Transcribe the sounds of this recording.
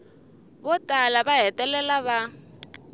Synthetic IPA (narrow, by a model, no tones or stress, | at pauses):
bɔtʼalabaɦɛtʼɛlɛlaβa